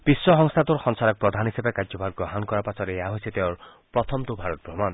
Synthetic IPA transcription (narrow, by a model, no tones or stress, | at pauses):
b̥isːɔɦɔŋst̪ʰat̪uɾxɔŋsaɾɔk̚pɾɔd̪ʱanɦisebekad͡ʒɔbʱaɡ̚ɡɔɦankɔɾapasɔɾeeaɦojsʰet̪eɔɾ | pɾɔt̪ʰɔmt̪ubʱaɾɔt̪̚bɾɔman